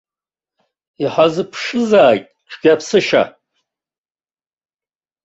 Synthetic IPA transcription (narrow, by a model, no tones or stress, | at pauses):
iħazɨpʰʂɨzaːjtʼʈ͡ʂʷʰɡ̥ʲapʰsɨʃa̰